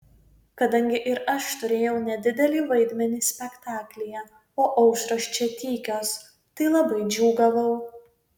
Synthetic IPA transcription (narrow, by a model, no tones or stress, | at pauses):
kɐd̪ɐŋʲɡʲɪʔɪɾɐʃt̪ʊɾʲeːjɛʊnʲɛd̪ʲɪd̪ʲɛlʲiːʋɐɪd̪ʲmʲɛnʲiːsʲpʲɛkt̪ɑːklʲɪjɛ | oːʔɐʊʃɾoʃʲt͡ʃʲɛt̪ʲiːkʲoːs | t̪ɐɪlˠɐbɐɪd͡ʒʲuːɡɐʋɐʊ